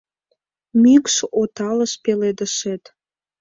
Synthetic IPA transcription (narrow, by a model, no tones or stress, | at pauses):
mykʃot̪ɑləʃpeled̪əʃet̪